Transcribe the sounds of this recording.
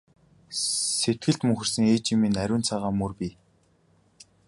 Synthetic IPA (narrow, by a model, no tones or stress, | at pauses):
set̪̚ɡɘ̆ɬt̪mɵŋxɘ̆rsɘ̆ŋeːt͡ɕimiːnæɾʲʊːnt͡sʰaːʁaːmːɵrpʲi